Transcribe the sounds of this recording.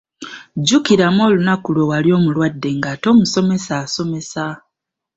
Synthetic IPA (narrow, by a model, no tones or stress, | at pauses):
ɟukiɾamo̞ːlunakulo̞waljo̞ːmulwadːe̞ŋɡato̞ːmuso̞me̞saːso̞me̞sa